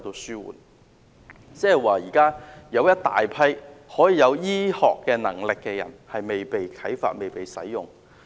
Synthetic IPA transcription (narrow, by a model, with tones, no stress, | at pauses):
t̪o˧syː˥wṵː˨˩n | t͡sɛː˥hɛ˨˩jwaː˨jiː˨˩kaː˥jɐ˨˧wjɐ˥t̚t̪a̰ː˨jpʰɐ˥jhɔː˨˥jiː˨jɐ˨˧wjiː˥hɔ̰ː˨kːɛː˧nɐ̰˨˩ŋlɪ˨kːɛː˧jɐ̰˨˩nhɐ˨jme˨jpe˨jkʰɐ˨˥jfa̰ː˧t̚me˨jpe˨jsɐ̰˨˥jjʊ˨ŋ